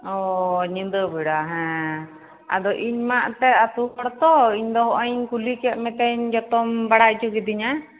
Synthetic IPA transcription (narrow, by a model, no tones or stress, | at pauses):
ɔɲĩnd̪əbɛɽaɦɛ̃ | a̰d̪ɔʔiɲmaʔt̪ɛat̪ukɔɽt̪ɔiɲd̪ɔɦɔʔɔɲkulikɛʔ̪̚mɛ̃t̪ɛɲd͡ʒɔt̪ɔmbaɽaʔt͡ʃukɛd̪iɲa